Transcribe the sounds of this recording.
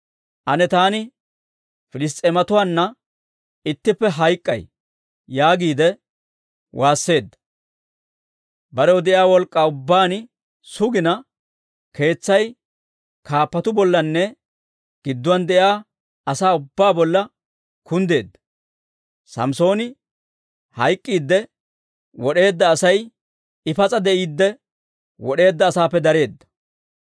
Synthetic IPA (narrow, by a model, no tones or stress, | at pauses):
ʔɐnɛt̪aːnɪ | fɪlɪs̬t̪ʼeːmɐt̪ʊwaːnːɐ | ɪt̪ːɪpːɛɦɐjkʼːɐ̰j | jaːɡiːd̪ɛ | wʔaːsːe̞ːd̪ːɐ̥ | bɐɾɛwɔd̪ɛʔjaːwɔlkʼːaːʊbːaːn | sʊɡɪnɐ | kʰe̞ːt͡sːɐj | kaːpːɐt̪ʊbɔlːɐnːɛ | ɡ̥ɪd̪ːʊwɐnd̪ɛʔjaː | ɐsaːʊbːaːbɔlːɐ | kʊnd̪e̞ːd̪ːɐ | sɐ̰mso̞ːnɪ | hɐjkʼːiːd̪ːɛ | wɔɗe̞ːd̪ːɐːsɐj | ɪfɐt͡sʼɐd̪ɛʔiːd̪ːɛ | wɔɗe̞ːd̪ːɐːsaːpːɛd̪ɐɾe̞ːd̪ːɐ̥